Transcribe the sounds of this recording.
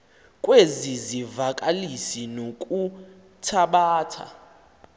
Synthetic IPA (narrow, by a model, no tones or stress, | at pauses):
kʼwezizivakʼalisinokʼu | tʰaɓaːtʰa̰